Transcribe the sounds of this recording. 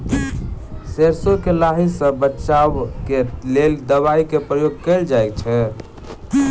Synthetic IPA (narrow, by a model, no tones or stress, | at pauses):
seɾsokelaɦisə̃bətːʃaʋkeleld̪əβaikepɾəjoɡ̚kəld͡ʒajk̚t͡ʃʰɛ